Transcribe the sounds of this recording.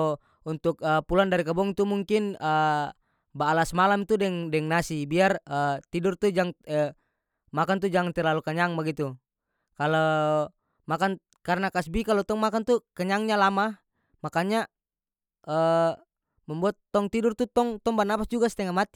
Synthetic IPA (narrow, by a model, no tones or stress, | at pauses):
unt̪ʊkəpulandaɾikabɔŋt̪umuŋkinə | baːlasmalamt̪udɛŋdɛŋnasibiarət̪idurt̪ud͡ʒaŋə | makant̪ud͡ʒaŋant̪ɛrlalukaɲaŋbaɡit̪u | kalɔ | makan | kaɾnakasbikalot̪ɔŋmakant̪ukaɲaŋɲalama | makaɲa | ə | mɛmbuat̪ːɔŋt̪idʊrt̪ut̪ɔŋt̪ɔŋbanapasd͡ʒuɡasɛ̥t̪ɛŋamat̪i